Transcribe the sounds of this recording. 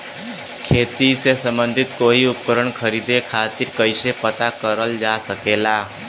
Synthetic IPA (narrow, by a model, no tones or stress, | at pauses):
kʰeːt̪isesəmbənd̪ʱɪt̪koiʊpkəɾəɳkʰəɾid̪ekʰat̪iɾkəjsepət̪akəɾəld͡ʒasəkela